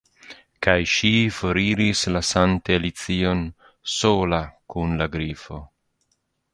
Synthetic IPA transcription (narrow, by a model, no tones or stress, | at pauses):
kajʃifoɾiɾislasant̪elit͡sion | solakunlaɡɾifo̞